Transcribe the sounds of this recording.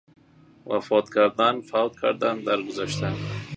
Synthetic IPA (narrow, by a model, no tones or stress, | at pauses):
wa̰fɒt̪kʰaɾd̪anfawt̪̚kʰaɾd̪and̪aɾɡʊzaʃt̪ʰan